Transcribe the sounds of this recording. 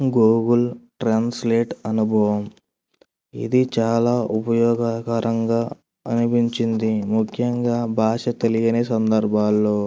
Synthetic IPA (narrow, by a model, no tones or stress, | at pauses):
ɡoːɡulʈɾaːnsleːʈɐnubʱɐʋɐm | ḭd̪it͡ʃaːlaːʔupɐjɔːɡakɐɾʔɐŋɡaː | ɐnipiɲt͡ʃind̪imukʰjɐŋɡaːbʱaːʂɐt̪elijɐneːsɐnd̪ɐɾbʱaːlːo̞ː